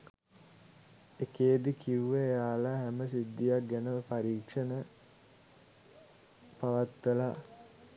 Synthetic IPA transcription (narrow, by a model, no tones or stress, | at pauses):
ekeːd̪ikʰiuʋəejaːlaːɦæməsid̪ːijak̚ɡænəʋəpaɾiːkʂənə | paʋat̪ʋəlaː